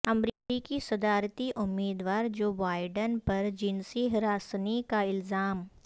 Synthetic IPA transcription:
ɐmɾiːkikisɐd̪aːɾt̪iʔʊmːiːd̪ʋaːɾd͡ʒoːbaːɪɖənpɐɾd͡ʒɪnsiɦɾaːsnikaɪlzaːm

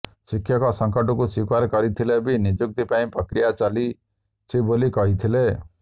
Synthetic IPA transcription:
sikʰːjɔkɔsɔŋkɔʈɔkusikaɾkɔɾit̪ʰilebinid͡ʒuk̚t̪ipaĩpɾɔkɾijat͡ʃali | t͡ʃʰibolikɔɦit̪ʰile

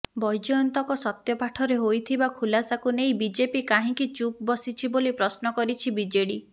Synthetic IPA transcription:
bɔjd͡ʒɔjɔnt̪ɔkɔsɔt̪jɔpaʈʰɔɾeɦojt̪ʰibakʰulasakunejbid͡ʒepikaɦĩkit͡ʃup̚bɔsit͡ʃʰibolipɾɔsnɔkɔɾit͡ʃʰibid͡ʒeɽi

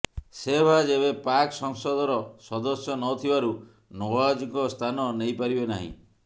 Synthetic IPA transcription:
sebʱad͡ʒeβepaksɔŋsɔd̪ɔɾɔsɔd̪ɔsjɔnɔt̪ʰibaɾu | nowad͡ʒikɔst̪ʰanɔnejpaɾibenaɦḭ̃

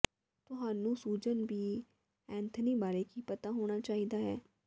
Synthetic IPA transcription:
t̪ʊɦaːnũːsuːd͡ʒənbiː | ɛ̃ːnt̪ʰniːbaːɾeːkiːpət̪aːɦoːɽ̃aːt͡ʃaːiːd̪aːɦɛː

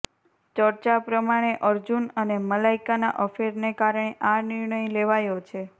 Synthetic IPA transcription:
t͡ʃəɾt͡ʃapɾəmaɽ̃eʔəɾd͡ʒunəneməlaikana̰ʔəfeɾnekaɾɳ̃eʔanɪɾɳəjleʋajot͡ʃʰe

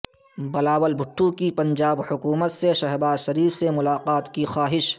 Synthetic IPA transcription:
bɐlaːʋəlbʱʊʈʰːũkipɐ̃ɲd͡ʒaːbhʊkuːmət̪seʃɛɦbaːzʃɐɾiːfsemʊlaːqaːt̪kixaːɦɪʃ

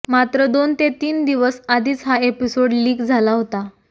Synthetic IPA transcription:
mat̪ɾəd̪ont̪et̪iːnd̪iʋəsad̪ʱiːt͡sɦaepisoɽliːkd͡zʱalaɦot̪a

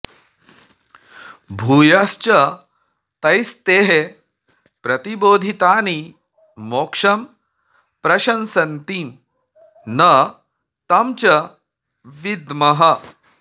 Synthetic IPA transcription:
bʱuːjast͡ɕɐ | t̪ɐjst̪eːɦe | pɾɐt̪iboːd̪ʱit̪aːni | moːkʂɐm | pɾɐʃɐnsɐnt̪iːm | nɐ | t̪ɐmt͡ʃɐ | ʋid̪mɐɦɐ

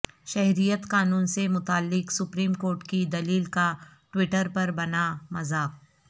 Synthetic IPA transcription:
ʃɛɦɾijət̪qaːnuːnsemʊt̪aːlːɪksʊpɾiːmkoːɾʈkid̪ɐliːlkaʈwɪʈəɾpɐɾbɐnamɐzaːb̚

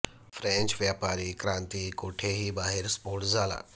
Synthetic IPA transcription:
fɾɛ̃nt͡ʃʋjaːpaːɾikɾãːnt̪ikoːʈʰeɦibaːɦeɾspoːɽd͡zaːla̰ː

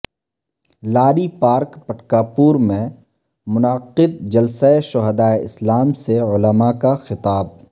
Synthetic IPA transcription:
laːɾipaːɾkpɐʈkaːpuːɾmẽ | mʊnaqɪd̪̚d͡ʒɐlsaeʃʊɦəd̪aːeɪslaːmseʊləmakaxɪt̪aːb̚

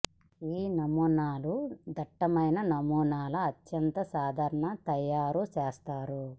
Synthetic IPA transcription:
iːnɐmuːnaːlud̪ɐʈːɐmɐjnɐnɐmuːnaːlɐɐt͡ʃjɐnt̪ɐsaːd̪ʱaːɾɐɳɐt̪ɐjːaːɾut͡ʃɛːst̪aːɾu

